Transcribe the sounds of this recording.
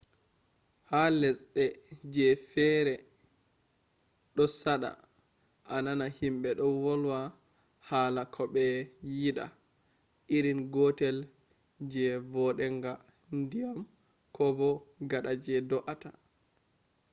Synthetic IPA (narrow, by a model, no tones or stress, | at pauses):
halɛsɗɛd͡ʒɛfɛɾɛ | ɗɔsaɗa̰ | ʔananahimɓɛɗɔwɔlwa | haːlakʰɔɓɛjiɗa̰ | ʔiɾinɡɔtɛl | d͡ʒɛvɔɗɛŋɡa | ndijam | kʰɔbɔɡaɗad͡ʒɛdɔʔata